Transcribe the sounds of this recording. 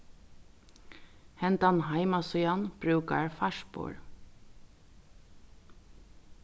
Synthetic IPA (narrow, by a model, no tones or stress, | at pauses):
hɛnt̪anɦaɪmasʏjanb̥ɾʉːka̰ɹfaʃpo̰ːɹ